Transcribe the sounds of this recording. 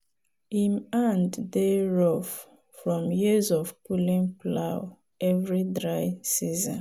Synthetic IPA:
imãnddeɹɔf | fɹɔ̃mjizɔvpulĩnplaw | ɛvɹidɹaɪsizɔ̰̃n

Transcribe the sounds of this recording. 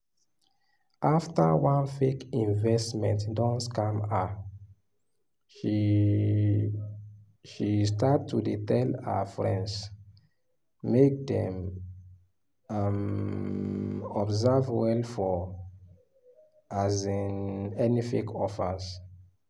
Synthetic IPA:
ʔaftawãnfekĩnvɛstmɛ̰̃ntdɔ̃nskãma | ʃistattːudetɛla̰fɹɛ̃nds | mek̚dɛ̰̃m | am | ɔbzavwɛlfɔ | azĩnɛnifekɔfaz

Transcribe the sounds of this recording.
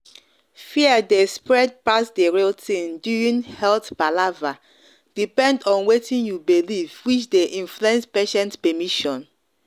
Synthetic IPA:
fiədespɹɛd̚pasdeɹiltĩnduĩŋhɛltb̥alava | d̥ipɛ̃ndɔ̃nwetĩnjubilivwit͡ʃdeʔĩnfluɛ̃nspeʃɛ̃ntpɛmiʃɔ̃n

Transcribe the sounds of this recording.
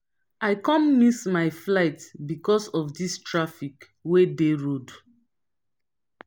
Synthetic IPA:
aɪkɔ̃mmismaɪflaɪtbikɔsɔfdistɹafik | wedeɹod

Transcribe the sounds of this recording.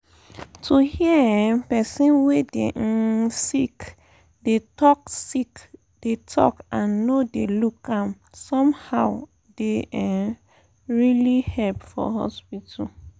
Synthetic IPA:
tʰuhiəpɛsĩnwedeʔsik | detɔksik | d̥etʰɔ̰kãnːodelukãm | sɔ̃mhaʊ | deɛ | ɹilihɛlpfɔ̰hɔ̰spita

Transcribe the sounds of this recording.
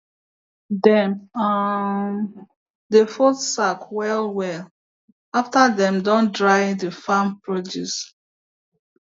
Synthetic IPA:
dɛ̃ma | defotsakwɛlwɛl | aftadɛ̃mdɔ̃ndɹaɪ̃defãmpɹɔd͡ʒṵs

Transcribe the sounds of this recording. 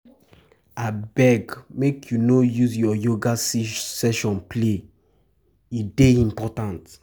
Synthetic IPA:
abɛɡmekʰjunojuzjɔjoɡasisɛʃɔ̃nple | ideĩmpɔtãnt

